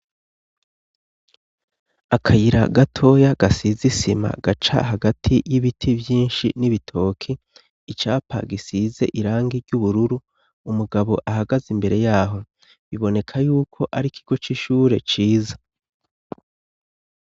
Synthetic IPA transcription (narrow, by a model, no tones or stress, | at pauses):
akʰajiɾa̰ɡatʰo̞ːjaɡ̥asizisima̰ɡat͡ʃa̰ɦaɡatʰijiβitʰivjiːnʃiniβitʰo̞ːkʰiː | t͡ʃaːpʰa̰ɡisize̞̰ʔiɾaːŋɡiɾɟuβuɾuɾu | umuɡaβo̞ʔaɦaɡazimbe̞ɾe̞jaːɦo̞ | βiβo̞ne̞kʰajuːkʰo̞ʔaɾikʰiɡ̥o̞t͡ʃiʃuːɾe̞t͡ʃiːzḁ